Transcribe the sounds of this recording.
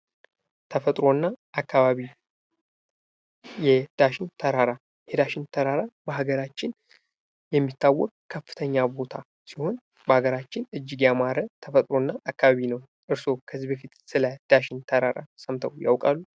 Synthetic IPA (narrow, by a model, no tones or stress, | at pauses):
t̪ʰəfət̪ʼɾo̞nːaʔːkːaβaβi | jɛd̪̥aʃɪnt̪ʰəɾaɾa | jɛd̪aʃɪnt̪ʰəɾaɾabəɦaɡəɾat͡ʃːɪn | jɛmːit̪ːawːɔkʼkʰːəfːɨ̥t̪ʰəɲːabo̞t̪ʰa | siho̞n | bəhaɡəɾat͡ʃːɪnʔɨd͡ʒːɪɡjamaɾət̪ʰəfət̪ʼɾo̞nːaʔakːaβaβinəw | ʔɨɾso̞kʰəzːibəfit̪sɨləd̪̥aʃɪnt̪ʰəɾaɾa̰səmt̪ʰəwja̰wkʼalːu